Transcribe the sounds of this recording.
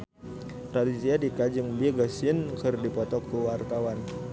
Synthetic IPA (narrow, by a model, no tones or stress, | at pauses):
t̪ɾadisiadikad͡ʒɨŋbiɡəsinkɨrdipɔt̪ɔkuwart̪awan